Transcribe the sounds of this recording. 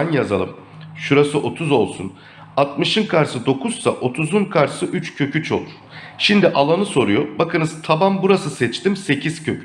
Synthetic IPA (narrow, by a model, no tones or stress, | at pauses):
anjazalˠɯ̰m | ʃuɾasɯʔo̞t̪ʰuzo̞lˠsṵn | at̪mɯʃɯnkʰaɾsɯd̪o̞kʰuz̥saʔo̞t̪ʰuzunkʰaɾsɯʔyt͡ʃcʰø̞cʰyt͡ʃʰo̞̰lˠuɾ̥ʃimd̪iʔalˠanɯso̞ɾujobakʰɯnɯz̥t̪ʰabambuɾasɯsɛt͡ʃt̪imse̞cʰiz̥cʰø̞cʰy